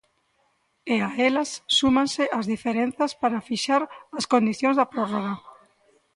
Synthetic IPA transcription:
eaelasːumãnsɪʔazðifeɾẽnθaspaɾafiʃaɾɐskond̪iθjõŋzðɐpɾoroɣa

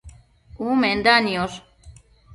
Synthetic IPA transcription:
umend̪anios

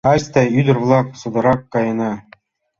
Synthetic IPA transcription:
ɑsʲt̪æjyd̪ɘ̆rvlˠɑksɤ̆d̪ɤ̆ɾɑkːɑjɤ̆nɑ

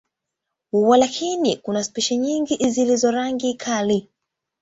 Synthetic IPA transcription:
huwalakʰinikunaspiʃɛɲiŋɡiʔzilizɔɾaŋɡikʰali

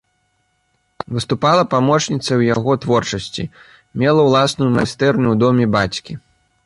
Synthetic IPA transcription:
vɨst̪upalˠɐpamɔt͡ʂnʲit̪sɐwjaɣɔt̪vɔrt͡ʂɐsʲt͡sʲḭ | mʲɛlˠɐwlˠasnujuma̰st̪ɛrnuwd̪ɔmʲɛbat͡sʲkʲi

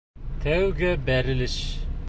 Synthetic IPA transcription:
t̪ʰæwɡæbæɾɪlɪʃ

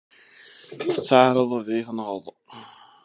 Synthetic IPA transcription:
θət͡sːaʕɾˤəðˤðiθnʁəðˤ

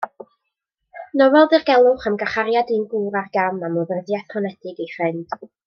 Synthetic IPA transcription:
nɔwɛlˠðɪrɡɛlˠʊχəmɡaχaɾjadinɡuːɾarɡamamɔðərðjaθpʰɔnɛd̥ɪɡifrɪnd̥

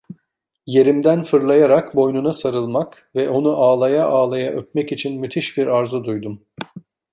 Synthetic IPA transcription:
je̞ɾimd̪ænfɯɾlˠajaɾakbo̞jnunasaɾɯlˠmak | vɛʔo̞nuʔaːlˠajaʔaːlˠajaʔøp̚mɛcit͡ʃʰinmyt̪ʰiʃbiɾaɾzud̪ujd̪um

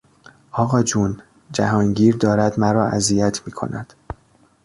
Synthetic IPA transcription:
ʔɒːɣɒːd͡ʒuːn | d͡ʒæɦɒːŋɟiːɾd̪ɒːɾæd̪mæɾɒːʔæ̰zijæt̪ʰmiːkʰo̰næ̰d̪̥

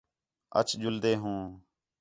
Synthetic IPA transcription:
ə̰t͡ʃʰd͡ʒʊld̪eːɦũː

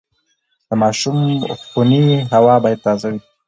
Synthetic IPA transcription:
d̪̥əmɑʃumxuniɦawɑbɑjad̪̚t̪ɑzawi

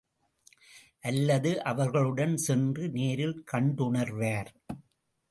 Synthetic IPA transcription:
ʔɐlːɐðɯʔɐʋɐɾɣɐɭɯɽɐnsɛndrɯneːɾɪlkɐɳɖʊɳɐɾʋaːɾ

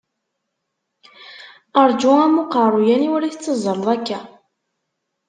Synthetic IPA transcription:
əɾˤd͡ʒuæmuqərˤujæniwɾiθt͡sːəzˤːəɾðˤækːæ

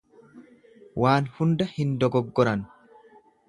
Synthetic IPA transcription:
waːnhʊnd̪ɐhɪnd̪ɔɡɔɡːɔɾɐn

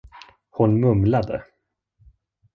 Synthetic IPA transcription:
hʊnmɵmlad̪ə̰

